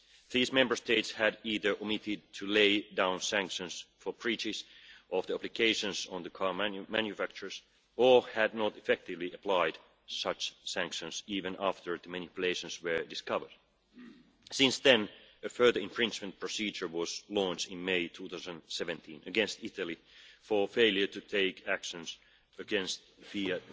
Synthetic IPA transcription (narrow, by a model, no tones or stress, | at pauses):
ðizmɛ̃mbə˞steɪtshæɾiːðə˞ʔɔmɪtɪd̚tʰɨleɪdãʊ̃nsæ̃ŋkʃə̃nsfə˞pʰɹ̥it͡ʃɪzʔɔvðiæplɨkʰeɪʃə̃nsɔ̃nðəkʰɑɹmmæ̃njɨfæk̚t͡ʃə˞s | əhæd̚nətɨfɛk̚tɪvliʔəpʰlaɪd | sʌt͡ʃsæ̃ŋkʃə̃nsiːvɨ̃næftə˞ðəmæ̃nɨpjɨleɪʃə̃nswə˞dɨskʌvə˞d̥ | sɪ̃nsðɛ̃nɨfɜ˞ðə˞ɨ̃ɱfɹɪ̃nt͡ʃmə̃n̚pʰɹ̥ɔsiːd͡ʒə˞wɔz̥lɔ̃nt͡ʃɪ̃nmeɪtʰuːθaʊzə̃nsɛvɨ̃nt̪ʰĩnɨɡɛ̃nst̪ɪtəlˠifə˞feɪlˠjə˞tɨtʰeɪkʰækʃə̃ns | əɡɛ̃nst̪ | fiɨ